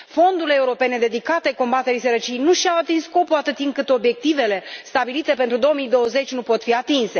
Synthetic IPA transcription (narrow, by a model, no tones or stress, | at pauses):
fo̞nd̪uleːuɾo̞pe̞ne̞d̪e̞d̪ikat̪e̞ko̞mbat̪e̞ɾisəɾət͡ʃiejnuʃiawat̪insko̞puat̪ɨt̪iɨŋkɨt̪o̞bje̞k̚t̪ive̞le̞st̪abilit̪e̞pe̞nt̪ɾud̪o̞omijd̪o̞wəze̞t͡ʃʲnupo̞t̪fiat̪inse̞